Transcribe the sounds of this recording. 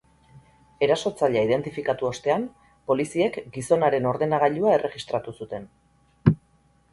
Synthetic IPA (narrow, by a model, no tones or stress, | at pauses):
e̞ɾaso̞t͡saʎaið̞e̞nt̪ifikat̪uo̞st̪e̞am | po̞lisie̞kɡiso̞naɾe̞no̞ɾðe̞naɣaʎuae̞rʔe̞ɣist̪ɾat̪usut̪e̞n